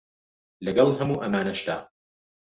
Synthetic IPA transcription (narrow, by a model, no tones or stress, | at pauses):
lɐɡɐlˠɦɐmuːʔɐmaːnɐʃt̪a̰ː